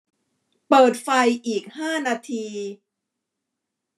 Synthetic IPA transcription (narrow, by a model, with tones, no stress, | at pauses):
pɤː˨˩t̪̚fa˧jʔiː˨˩k̚haː˥˩naː˧t̪ʰiː˧